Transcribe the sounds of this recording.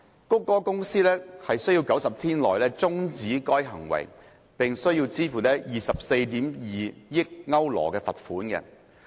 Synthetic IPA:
kʊ˥kːɔː˥kʊ˥ŋsiː˥lɛː˥hɐ˨jsɵ˥jiː˧wkɐ˨˥wsɐ˨p̚t̪ʰiː˥nlɔː˨jlɛː˦˥t͡sʊ˥ŋt͡siː˨˥kɔː˥jɦɐ̰˨˩ŋwɐ̰˨˩j | pɪ˨ŋsɵ˥ɥjiː˧wt͡siː˥fuː˨˩tɛː˥jiː˨˩sɐ˨p̚se˧jt̪iː˨˥mjiː˨jɪ˥k̚ŋɐ˥wlɔ̰ː˨˩kɛː˧fɐ˨t̚fuː˨˥nkɛ̰˧

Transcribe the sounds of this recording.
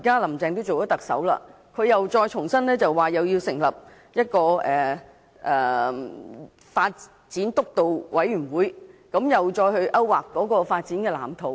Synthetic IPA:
kaː˥lɐ˨˩mt͡sɛː˧ŋt̪̬o˥wt͡so˨wɔ˨˥t̪ɐ˨k̚sɐ̰˨˥wla̰ː˧ | kʰɵ˨˧ɥjɐ˨wt͡ʃɔː˧jt͡ʃʰʊ˨˩ŋsɐ˥nlɛː˥t͡sɐ˨wːaː˨jɐ˨wjiː˧wsɪ˨˩ŋlɐ˨p̚ | jɐ˥t̚kɔː˧ʔɛː˨˩ | ʔɛː˨˩ | faː˧t̚ | t͡siː˨˥nt̪ʊ˥k̚t̪o˨wwʔɐ˨˥jɥy˨˩nwuː˨˥jkɐ˨˥mjɐ˨wt͡ʃɔː˧jhɵ˧ɥʔɐ˥wwaː˨˩kːɔː˨˥kɔː˧faː˧t̚t͡siː˨˥nkɛː˧la̰ː˨˩mt̪ʰo˨˧w

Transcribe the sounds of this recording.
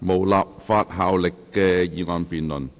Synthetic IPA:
mo˨˩wlaː˨p̚faː˧t̚ɦaː˨˧wlɪ˨kːɛː˧jiː˨˧ŋɔː˨˧npiː˨nlɵ˨˩n

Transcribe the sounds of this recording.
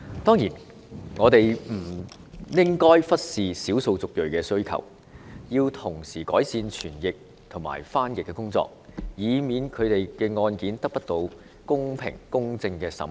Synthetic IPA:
t̪ɔː˥ŋjiː˨˩n | ŋɔː˨˧t̪e˨jm̩˨˩ | jɪ˥ŋkɔː˥jfɐ˥t̚siː˨siː˨˥wso˧wt͡sʊ˨k̚jɵ˨ɥkɛː˧sɵ˥ɥkʰɐ̰˨˩w | jiː˧wt̪ʰʊ˨˩ŋsiː˨˩kɔ̰ː˨˥jsiː˧nt͡ʃʰyː˨˩njɪ˨k̚ | t̪ʰʊ˨˩ŋma̰ː˨˩jfaː˥njɪ˨kːɛː˧kʊ˥ŋt͡sɔ̰ː˧k̚jiː˨˧miː˨˧nkʰɵ˨˧ɥt̪e˨jkɛː˧ŋɔː˧nkiː˨˥nt̪ɐ˥k̚pɐ˥t̚t̪o˧w | kʊ˥ŋpʰɪ̰˨˩ŋkʊ˥ŋt͡sɪ˧ŋkɛː˧sɐ̰˨˥m

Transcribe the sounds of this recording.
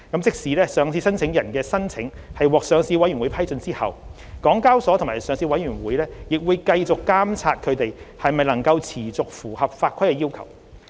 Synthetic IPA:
kɐ˨˧˥mt͡sɪ˥k̚siː˨˥lɛː˥sœː˨ŋt͡sʰiː˧sɐ˥nt͡sʰɪ˨˧˥ŋjɐ˨˩nkɛː˧sɐ˥nt͡sʰɪ˨˥ŋ | hɐ˨jwɔː˨˩k̚sœː˨˧ŋsiː˧wɐ˥jyː˨˩nwu˨˥jpʰɐ˥jt͡sɵ˧nt͡siː˥hɐ̰˨w | kɔː˨˥ŋkaː˥wsɔ˨˥t̪ʰʊ˨˩ŋmaː˨˩sœː˨ŋsiː˧wɐ˨˥jɥyː˨˩nwuː˨˥jlɛː˥jɪ˨k̚wuː˨˧jkɐ˧jt͡sʊ˨kːaː˥mt͡sʰaː˧t̚kʰɵ˨˧ɥt̪e˨jhɐ˨jmɐ˨jlɐ˨˩ŋkɐ˧wt͡sʰiː˨˩t͡sʊ˨k̚fuː˨˩hɐ˨p̚faː˧t̚kʰɐ˥jkɛː˧ji˥wkʰɐ̰˨˩w

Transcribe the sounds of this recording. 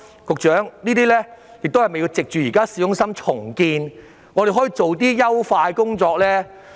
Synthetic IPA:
kʊ˨k̚t͡ʃœː˨˥ŋniː˥t̪iː˥lɛː˥ | jɪ˨k̚t̪whɐ˨jme˨ji˧wt͡sɪ˨k̚t͡ʃyː˨jiː˨˩kaː˥siː˨˥jʊ˧˥ŋsɐ˥mt͡ʃʰʊ˨˩ŋkiː˧n | ŋɔː˨˧e˨jɦɔː˨˥ji˧t͡so˨wt̪̬iː˥jɐ˥wfaː˧jkʊ˥ŋt͡ʃɔː˧k̚lɛː˥

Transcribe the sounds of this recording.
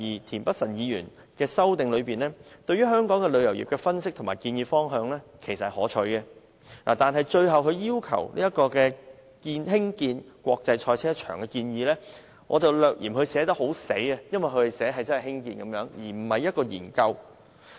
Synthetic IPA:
jiː˨˩t̪ʰiː˨˩npɐ˥t̚sɐ˨˩njiː˨˧jyː˨˩n | kɛː˧sɐ˥wt̪ɪ˨ŋlɵ˨˧ɥpiː˨nlɛː˥t̪ɵ˧ɥyː˥ɦœː˥ŋkɔː˨˥ŋkɛ˧lɵ˨˧ɥjɐ˨˩wjḭː˨p̚kɛ˧fɐ˥nsɪ˥k̚t̪ʰmaː˨˩jkiː˧njiː˧fɔː˥ŋɦœː˨˧ŋlɛː˥kʰe˨˩jsɐ˨hhɔː˨˥t͡ʃʰɵ˨˧ɥkɛ˧ | laː˨˩t̪aː˨˩nɦɐ˨jt͡ʃɵ˧ɥɦɐ˨wkɵ˨˧ɥjiː˥wkʰɐ̰˨˩wlḭː˥jɐ˥t̚kɔː˧kɛː˧ | kiː˧nɦɪ˥ŋkiː˧nkʷwɔː˧k̚t͡sɐ˧jt͡ʃʰɔː˧jt͡sʰɛː˥t͡ʃʰœ̰ː˨˩ŋkɛ˧kiː˧njiː˧lɛː˥ | ŋɔː˨˧t͡sɐ˨wlœː˨k̚ʔḭː˨˩mhɵ˧ɥsɛː˨˥t̪̬ɐ˥k̚ho˨˥wse˨˥jɐ˧jɐ˥nwɐ˨jkʰɵ˧t̪e˨jsɛː˨˥ɦɐ˨jt͡sɐ˥nhhɪ˥ŋkiː˧nkɐ˨˥mjœː˨˧˥ŋjiː˨˩m̩˨˩hɐ˨jːɐ˥t̚kɔː˧jḭː˨˩nkɐ˧w

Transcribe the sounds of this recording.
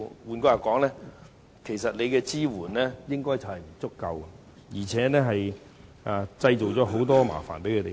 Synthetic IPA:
wuː˨˧nko˧˥jaː˨˩kɔː˨˥ŋlɛː˦˥ | kʰe˨˩jsɐ˨t̚le˨˧jkɛː˧t͡siː˥wuː˨˩nlɛː˥jɪ˥ŋkɔː˥jt͡sɐ˨˩hɐ˨jm̩˨˩t͡sʊ˥kːɐ˧wɐ˧ | jiː˨˩t͡sʰɛː˨˥nɛː˥ɦɐ˨j | ʔa˧t͡sɐ˧jt͡so˨˩wt͡sɔː˨˥ɦo˨˥wt̪̬ɔː˥ma̰ː˨˩fa̰ː˨˩npe˨˥jkʰɵ˨˧te˨

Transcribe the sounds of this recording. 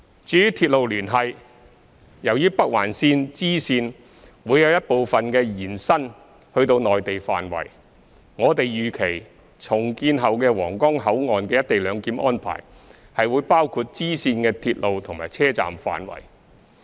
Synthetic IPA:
t͡ʃyː˨˧˥jyː˥t̪ʰiː˧t̚lo˨wlyː˨˩nɦɐ˨j | jɐ˨˩wjyː˥pɐ˥k̚wa̰ː˨˩nsiː˧nt͡siː˥siː˧n | wuː˨˧jɐ˨˧wjɐ˥t̚po˨wfɐ˨nkɛː˧jiː˨˩nsɐ˥n | hɵ˧ɥt̪o˧wnɔː˨jt̪e˨jfa̰ː˨nwɐ̰˨˩j | ŋɔː˨˧t̪e˨jjyː˨kʰe˨˩j | t͡sʰʊ˨˩ŋkiː˧nɦɐ˨wkɛː˧wɔ̰ː˨˩ŋkɔː˥ŋɦɐ˨˥wŋɔː˨nkɛː˧jɐ˥t̚t̪e˨jlœː˨˧ŋkiː˨˥mʔɔː˥npʰa̰ː˨˩j | hɐ˨jwuː˨˧jpaː˥wkʰu˧t̚t͡siː˥siː˧nkɛː˧t̪ʰiː˧t̚lo˨wt̪ʰʊ˨˩ŋmaː˨˩jt͡sʰɛː˥t͡sa̰ː˨mfa̰ː˨nwɐ̰˨˩j

